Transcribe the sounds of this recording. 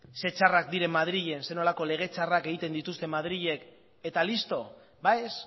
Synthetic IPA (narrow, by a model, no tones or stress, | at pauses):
se̞t͡ʃarak̚d̪iɾe̞mːað̞ɾiʎe̞nse̞no̞lako̞le̞ɣ̞e̞t͡ʃarake̞ɣ̞it̪e̞nd̪it̪ust̪e̞mað̞ɾiʎe̞k | e̞t̪alist̪o̞ | bajs